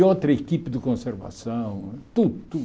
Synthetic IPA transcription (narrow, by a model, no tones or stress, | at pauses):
ot̪ɾɐekipd̪ɪkõseɾvɐ̰sɐ̃w̃t̪ud̪ut̪u